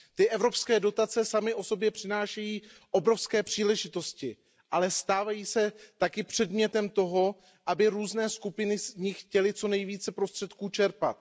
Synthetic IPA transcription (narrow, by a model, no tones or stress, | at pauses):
t̪ɪʔɛvɾo̞pskɛːdo̞t̪at͡sɛsamɪʔo̞so̞bjɛpr̝̥ɪnaːʃɛjiːʔo̞bɾo̞fskɛːpr̝̥iːlɛʒɪt̪o̞scɪ | ʔalɛst̪aːvajiːsɛt̪akɪpr̥ɛdmɲɛt̪ɛmt̪o̞ɦo̞ | ʔabɪɾuːznɛːskupɪnɪzɲɪxcɛlɪt͡so̞nɛjviːt͡sɛpɾo̞st̪r̝̥ɛt̪kuːt͡ʃɛɾpa̰t̪̚